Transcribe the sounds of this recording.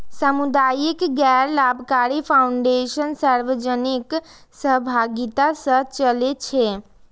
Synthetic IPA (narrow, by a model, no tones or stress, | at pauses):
səmud̪ajikɡɛɾlabʱkaɾipʰaʊɳɖeʃənsəɾʋəd͡ʒənik | səɦbʱaɡit̪asət͡ʃəlet͡ʃʰe